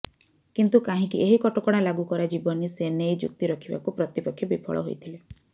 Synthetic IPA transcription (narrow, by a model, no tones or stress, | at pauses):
kint̪ukaɦĩkiʔeɦikɔʈɔkɔɽ̃alaɡukɔɾad͡ʒibɔnisenejd͡ʒṵk̚t̪iɾɔkʰiba̰kupɾɔt̪ipɔkʰːjɔbipʰɔ̰ɭɔ̰ɦo̰jt̪ʰile